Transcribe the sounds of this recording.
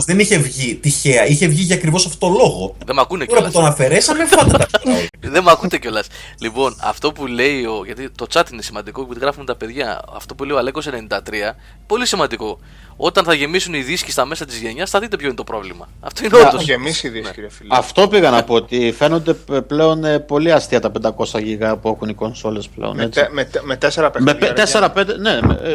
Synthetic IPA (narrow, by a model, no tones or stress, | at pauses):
zðeniçe̞vʝit̪içe̞ɐiçe̞vʝiʝɐːkɾivo̞sɐft̪o̥t̪olo̞ɣo̞ðemɐkuneɐut̪onɐfe̞ɾesɐmefɐt̪ɾɐðemɐkut̪e̞co̞lɐs | lipo̞nɐ̰ft̪o̞pule̞io̞ʝɐt̪it̪o̞t͡sɐt̪ine̞simɐnd̪iko̞ipiðiɣɾɐfumet̪ɐpe̞ðʝɐ̰ɐ̰ft̪o̞pule̞ioɐleko̞senenind̪ɐt̪ɾiɐ | po̞lisimɐnd̪iko̞ | o̞t̪ɐnθɐʝe̞misuniðiscist̪ɐme̞sɐt̪izʝe̞ɲɐsθɐðit̪e̞pçoinet̪o̞pɾo̞vlimɐ̰ | ɐft̪o̞ineoosemisiðisciɾiɐfilɐft̪o̞piɣɐnɐpoot̪ife̞no̞nd̪e̞ple̞o̞npo̞liɐst̪iɐt̪ɐpe̞nd̪ɐko̞sɐʝiɣɐpue̞xuniko̞nso̞le̞splḛo̰net͡smemet̪eseɾɐpemepet̪eseɾɐpend̪enemḛ